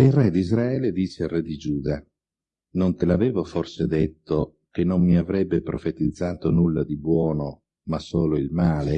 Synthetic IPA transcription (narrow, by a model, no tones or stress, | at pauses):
ilrɛd̪izɾaɛːled̪iːt͡ʃeilrɛd̪id͡ʒuːd̪a | nont̪elavɛːvoforsed̪et̪ːo | k̟enːommiavɾɛbːepɾo̰fet̪id̪zːaːt̪onulːad̪ibwɔːno | masːoːloilmaːle